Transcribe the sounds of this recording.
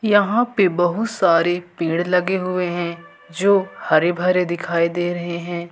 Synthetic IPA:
jɐɦãpebɐɦʊt̪saːɾepĩːɽlɐɡeɦʊeɦɛ̃ | d͡ʒoːhɐɾebʱɐɾed̪ɪkʰaːid̪eːɾɐɦeɦɛ̃ː

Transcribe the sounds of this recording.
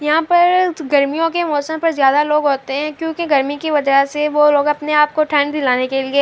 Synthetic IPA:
jɐɦãpɐɾɡɐɾmijõkemɔːsəmpɐɾzjaːd̪aloːɡɦoːt̪eɦɛ̃kjõːkiɡɐɾmikiʋɐd͡ʒəɦseʋoloːɡɐpneaːp̚koʈʰɛ̃ːɳd̪ɪlaːnekelie

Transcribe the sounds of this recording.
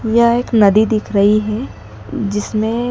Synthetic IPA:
jɐɦeːknɐd̪id̪ɪkʰɾɐɦiɦɛ | d͡ʒɪsmẽ

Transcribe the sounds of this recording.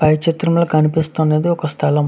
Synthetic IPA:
pɐjt͡ʃit̪ɾɐmloːkɐnipist̪uːneːd̪iɔkɐst̪ʰɐlɐm

